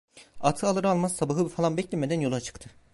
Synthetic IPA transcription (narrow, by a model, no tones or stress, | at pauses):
at̪ʰɯalˠɯɾɯalˠmassabaɦɯbifalˠanbɛclʲɛmed̪ænjo̞lˠat͡ʃʰɯ̥kt̪ʰɯ